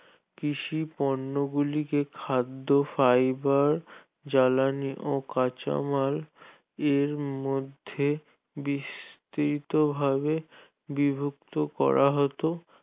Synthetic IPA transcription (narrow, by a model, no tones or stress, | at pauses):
kiʃipɔnːoɡulikekʰad̪ːofajbaɾ | d͡ʑalaniʔokat͡ɕa̰mal | eɾmod̪ʱːe | bist̪ɾit̪obʱabe | bibʱuk̚t̪okɔ̰ɾʔaɦɔt̪o